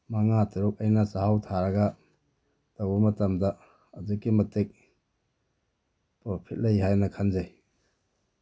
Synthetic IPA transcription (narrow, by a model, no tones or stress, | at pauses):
maŋatʰiɾuk̚ɐjnɐsahawtʰaɾɐɡɐ | d̥owbɐmɐtɐmdɐ | ɐdukːimɐtek̚ | pɔɾpʰit̚lɐjɦajnɐkʰanzaj